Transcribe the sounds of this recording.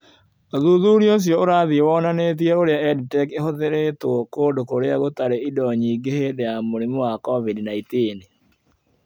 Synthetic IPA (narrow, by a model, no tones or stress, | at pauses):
oðuðuɾios̬jɔoɾaðiewɔnanet̬iɛoɾeaɛditɛkehoðeɾetwɔkodokoɾeaɣotaɾeidɔɲiɡehedɛjamoɾimowakɔβidinaitene